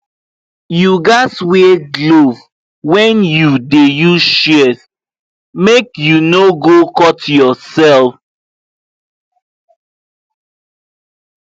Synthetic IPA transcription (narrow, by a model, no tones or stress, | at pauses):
juɡasweɡlov | wɛ̃njudejuʃɛs | mekjunoɡokɔtjɔsɛlf